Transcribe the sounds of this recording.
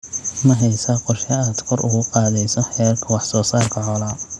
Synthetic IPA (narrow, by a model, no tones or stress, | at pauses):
mɐɦɛjsɐqɔrʃɐaːd̪kʰɔrʊ̰ɣʊqɑːðɛjsɔħɛːrkʰɐwɑħsɔːsaːrkʰɐʕɔlaː